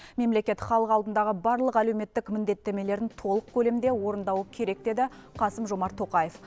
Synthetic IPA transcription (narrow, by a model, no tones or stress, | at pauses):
me̞mle̞kʲe̞t̪χɑlˠəqɑlˠd̪ənd̪ɑʁəbɑɾlˠəqæle̞wme̞t̪ːɪkmɪnd̪e̞t̪ːe̞me̞le̞ɾɪnt̪ʰo̞lˠəq̚kʲʰɵle̞mnd̪e̞wo̞ɾənd̪ɑwəkʲʰe̞ɾe̞k̚d̪e̞d̪ɪqʰɑsəmʒo̞mɑɾt̪ʰːo̞qɑjef